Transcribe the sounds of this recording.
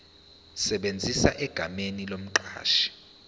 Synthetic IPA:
sɛɓend͡zʱisaʔɛɡ̥ʱamenilom̩ǃa̰ːʃi̥

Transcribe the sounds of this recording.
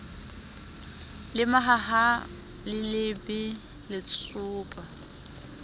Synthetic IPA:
lɪmaɦaɦa | lɪlɪbɪ | lɪt͡sʰʊːpʼa

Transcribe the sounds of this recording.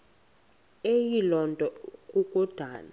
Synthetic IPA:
ejilɔntʼɔkʼukʼud̥ʱaːna

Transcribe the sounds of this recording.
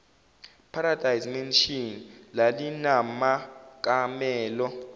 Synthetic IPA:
pʰaɾad̥ʱajzmenʃinlalinamak̬ʼamɛːlɔ

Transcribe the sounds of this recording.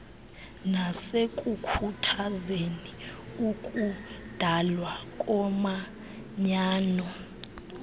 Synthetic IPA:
nasekʼukʰutʰazeniukʼud̥ʱalwakʼɔma | ɲaːnɔ

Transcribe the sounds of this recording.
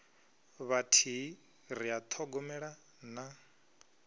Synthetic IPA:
βatʰi | ɾiat̪ʰɔɡɔmɛɺa | na

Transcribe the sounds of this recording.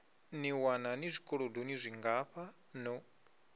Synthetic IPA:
niwananizʷikʼɔɺodonizʷiŋɡaɸa | nɔ

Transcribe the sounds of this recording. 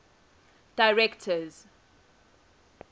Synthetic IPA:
d̥aɪɹɛktʰəz

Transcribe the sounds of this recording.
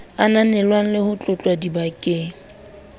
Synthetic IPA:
ananɛlwaŋ̩lɪhʊt͡ɬʼʊt͡ɬʼwadibakʼeːŋ̩

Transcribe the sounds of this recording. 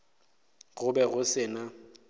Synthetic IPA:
ɣʊbɛɣʊsɪːna

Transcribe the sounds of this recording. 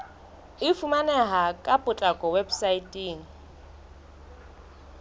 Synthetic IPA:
ɪfumanɛɦakʼapʼʊt͡ɬʼakʼɔwebsaitʼiːŋ̩

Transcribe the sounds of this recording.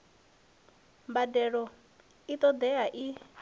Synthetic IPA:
mbadɛɺɔ | it̪ʼɔd̪ɛaʔi

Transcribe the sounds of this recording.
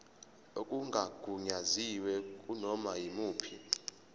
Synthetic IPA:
okʼuŋɡʱaɡ̥ʱuɲaziwɛkʼunɔmajimuːpʰi

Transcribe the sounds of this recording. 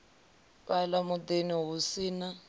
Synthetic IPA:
βalamʊd̪eniɦusiːna

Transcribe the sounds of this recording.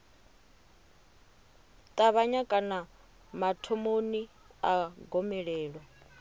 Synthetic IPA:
t̪ʼaβaɲakʼana | matʰomoni | aɡɔmɛɺɛːɺwa

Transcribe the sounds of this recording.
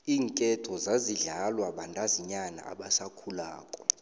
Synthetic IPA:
iːŋkʼɛtʰɔzaziɮalwaɓandʼaziɲana̰a̰ɓasakʰulaːkʼɔ

